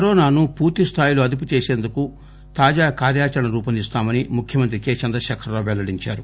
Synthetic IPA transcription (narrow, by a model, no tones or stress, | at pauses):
kɐɾɔːnaːnupuːɾt̪ist̪ʰaːjilo̞ːɐd̪ip̬ut͡ʃeːse̞ːnd̪uku | t̪aːd͡ʒaːkaːɾjaːt͡ʃɐɾɐɳɐɾuːpɐnd̪ist̪aːmɐnimukʰjɐmɐnt̪̬ɾikeːt͡ʃɐnd̪ɾɐʃɐkʰɐɾloːʋɛlːɐɽiɲt͡ʃa̰ːɾu